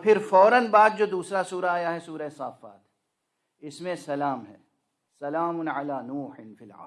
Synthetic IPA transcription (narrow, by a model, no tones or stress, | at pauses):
pʰɪɾfɔːɾənbaːd̪̚d͡ʒoːd̪uːsɾasuːɾaːjaɦɛsuːɾaesaːfa̰ːt̪ | ɪsmẽsɐlaːmɦɛː | sɐlaːmʊnʕalaːnuːħɪnfilʕa̰ː